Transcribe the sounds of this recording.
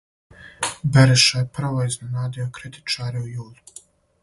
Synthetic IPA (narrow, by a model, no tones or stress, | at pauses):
beɾeʃajeprʋoiznenaːd̪ijo̞kɾit̪i̥t͡ʃaːɾeujuːlu